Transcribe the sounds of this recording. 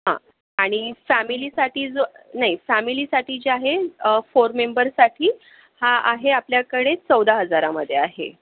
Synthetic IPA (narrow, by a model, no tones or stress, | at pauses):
ɦã̰ | aɽ̃ifæmiliːsaʈiːd͡zonaɦifæmiliːsaʈiːt͡ɕaɦefoɾmembəɾsaʈʰiː | haaɦeapljakəɽet͡səwd̪aɦəd͡zaɾaməd̪ʱːjeaɦḛ